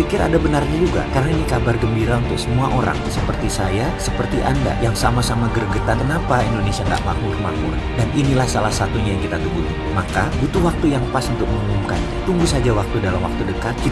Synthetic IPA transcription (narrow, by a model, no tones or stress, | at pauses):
pikɪɾa̰dabənarɲad͡ʒuɡa̰kaɾaŋinikabarɡəmbiɾaunt̪ʊk̚səmuaʔoɾa̰ŋsəpərt̪isajasəpərt̪iʔa̰nda̰jaŋsamasamaɡərɡət̪akənapaindonesiaŋɡa̰ʔmaɦurma̰ɦʊ̰r | daninilahsalahsat̪uɲajaŋkit̪at̪ubuɦi | makabut̪uwak̚t̪ujaŋpasunt̪ʊk̚məŋumumka̰n | t̪uŋɡusad͡ʒawak̚t̪udalamwa̰k̚t̪udəkat̪̚ki